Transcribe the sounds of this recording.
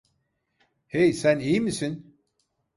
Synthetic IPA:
hejsænijmisin

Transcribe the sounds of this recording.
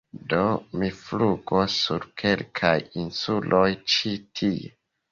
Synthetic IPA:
do̞mifluɡosːuɾkʰe̞lkʰajinsulʔo̞jt͡ʃitʰie

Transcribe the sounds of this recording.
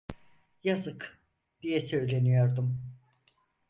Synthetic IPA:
jazɯk | d̪̥ijɛsø̞jlʲe̞nijo̞ɾd̪um

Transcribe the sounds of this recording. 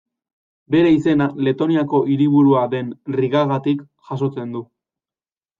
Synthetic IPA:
be̞ɾe̞ise̞nale̞t̪o̞niako̞ʔiɾiβ̞uɾuaðe̞nriɣaɣat̪ik | ʝaso̞t͡se̞nd̪u

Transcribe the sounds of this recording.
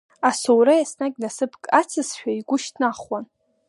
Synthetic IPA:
asowɾajasnakʲnasɨpʰkʼat͡sʰɨsʃᶣaiɡʷʊʃtʰnaχwan

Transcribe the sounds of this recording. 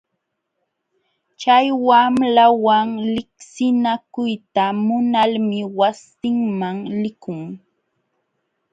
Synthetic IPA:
t͡ʃajwamlawaŋlɪksɪnakʊjt̪amʊnalmɪwasɪŋmaŋlɪkʊŋ

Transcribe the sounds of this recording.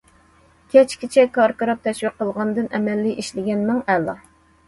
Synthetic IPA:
kʲʰɛt͡ʃkʲit͡ʃʰɛkʰɑɾkɑɾɑp̚t̪ʰɛʃwiqːəlˠʁɑnɨd̪ɨnʔɛmɛlːiʔiʃlɪɡʲɛnmɛŋɛlːɑ̰

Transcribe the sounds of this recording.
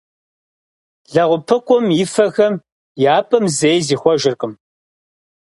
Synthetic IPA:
ɮɐʁʷʊpʰɨkʷʼʊmɪfɐɣɐm | jaːpʼɐmzejziːxʷɔʒɪrqʼəm

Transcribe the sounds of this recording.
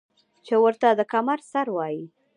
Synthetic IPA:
t͡ʃewəɾt̪ad̪əkamaɾsaɾwɑji

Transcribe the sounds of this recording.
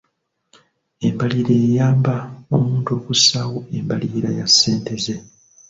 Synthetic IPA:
e̞mbaliɾe̞ːjaːmbao̰muːnto̞ːkusawo̞e̞mbaliɾajasːe̞ːnte̞ze̞

